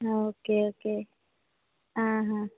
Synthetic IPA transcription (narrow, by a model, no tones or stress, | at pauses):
oːkeoke | ɦãɦã